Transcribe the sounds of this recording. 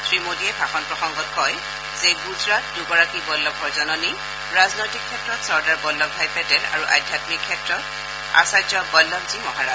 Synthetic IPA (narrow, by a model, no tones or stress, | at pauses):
tʰɹimodiɛbʱaxɔnpɹɔxɔŋɡɔt̚kʰɔj | z̥eɡuzɹat̚duɡɔɹakibɔlːɔb̚ɡɔɹzɔnɔni | ɹaznojtikʰːɛtɹɔtsɔɹdaɹbɔlːɔbpajpɛtɛla̰ɹuʔa̰jdʱjatmikʰːɛtɹɔt | a̰sajd͡ʒɔbɔjlːɔbzimɔɦaɹa